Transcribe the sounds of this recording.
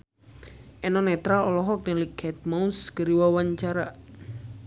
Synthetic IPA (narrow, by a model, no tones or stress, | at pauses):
ʔɛnɔnɛt̪ɾalɔlɔɦɔk̚nɛlikʰɛt̪̚maunsɡəɾiwawaɲt͡ʃaɾa